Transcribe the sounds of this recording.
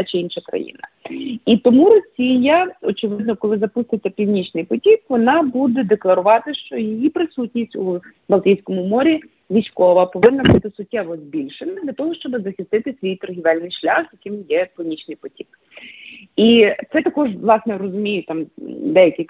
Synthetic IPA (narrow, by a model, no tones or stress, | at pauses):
t͡ʃɪinʃɐkɾɐ̰jḭnɐ̰ | it̪ɔmuɾɔsʲijɐɔt͡ʃɪʋɪd̪nɔkɔlˠɪzɐpust̪ɪt͡sʲːɐpʲiwnʲit͡ʃnɪjpɔtʲikʋɔnɑbud̪ɛd̪eklˠɐɾʊʋɑt̪ɪʃt͡ʃɔjejipɾɪsutʲnʲisʲtʲu | bɐlˠt̪ʲijsʲkɔmʊmɔɾʲi | ʋʲisʲkɔʋɐpɔʋɪnːɐbut̪ɪsʊtʲːɛʋɔzbʲilʲʃenɪd̪lʲɐt̪ɔɦɔʃt͡ʃɔbɪzɐxʲɪst̪ɪt̪ɪsʲʋʲijt̪ɔrɦʲiʋɛlʲnɪjʃlʲa̰xzjɐkɪmjɛpʲiwnʲit͡ʃnɪjpɔtʲi̥k | it̪sɛt̪ɐkɔʒʋlˠɑsnɛrɔzʊmʲijʊt̪ɑmd̪ɛjɐkɪ